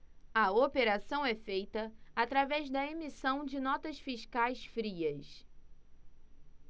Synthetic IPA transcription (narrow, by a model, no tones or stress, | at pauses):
ɐopeɾasɐ̃w̃ɛfejt̪ɐat̪ɾavɛzd̪ɐemisɐ̃w̃d͡ʒɪnɔt̪ɐsfiʃkajsfɾiɐs